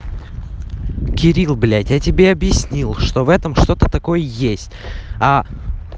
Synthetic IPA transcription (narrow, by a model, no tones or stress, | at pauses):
kʲɪɾʲilˠblʲatʲjatʲɪbʲeɐbjɪsʲnʲilˠʂt̪o̞vɛt̪əmʂt̪o̞t̪ət̪ɐko̞jəjesʲtʲa